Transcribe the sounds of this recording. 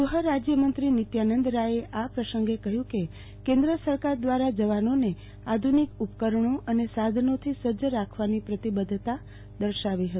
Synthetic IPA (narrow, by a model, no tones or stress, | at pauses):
əɦəɾad͡ʒjəmənt̪ɾinit̪janənd̪ɾaeʔapɾəsəŋɡekəɦjũke | kẽnd̪ɾəsəɾkaɾd̪ʋaɾad͡ʒəʋanone | ad̪ʱunikupkəɾɳoʔənesad̪ʱənot̪ʰisəd͡ʒəɾakʰʋanipɾət̪ibəd̪ʱt̪a | d̪əɾʃaʋiɦət̪i